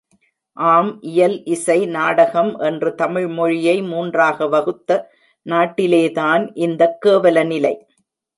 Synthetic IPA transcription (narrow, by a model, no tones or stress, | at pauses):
ʔaːmʔɪjɐlʔɪsɐɪnaːɽɐɣɐmʔɛndrɯt̪ɐmɪɻmɔɻɪjɐɪmuːndraːɣɐʋɐɣɯt̪ːɐ | naːʈːɪleːðaːnʔɪnd̪ɐkːeːʋɐlɐnɪlɐɪ